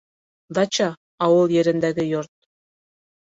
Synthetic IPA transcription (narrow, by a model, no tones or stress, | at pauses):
d̪ɑt͡ɕɑ | ɑwɤ̆lˠjĕɾɘ̆nd̪æɡɘ̆jort̪̚